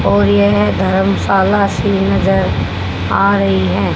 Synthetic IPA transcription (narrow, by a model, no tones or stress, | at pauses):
ɔːɾjeɦd̪ʱɐɾəmsaːlasinɐzəɾ | aːɾɐɦiɦɛː